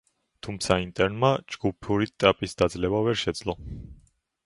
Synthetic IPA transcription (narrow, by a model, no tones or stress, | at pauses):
t̪ʰumt̪sʰaint̪ʼɛɾnmad͡ʒɡ̥upʰuɾit̪ʼapʼisd̪̥ad̪zlɛbavɛɾʃɛd̪zlˠɔ